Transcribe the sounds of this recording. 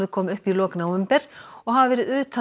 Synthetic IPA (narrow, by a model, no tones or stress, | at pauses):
ðɪkʰɔːmʏhpilɔːknaʏmpɛɾ̥ɔɣɦavvɛːɾɪðʏːt̪ʰa